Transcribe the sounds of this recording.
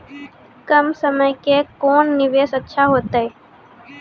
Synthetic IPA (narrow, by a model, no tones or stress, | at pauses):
kəmsəməjkekoːnːɪʋeːsətːʃʰaɦoːt̪aeː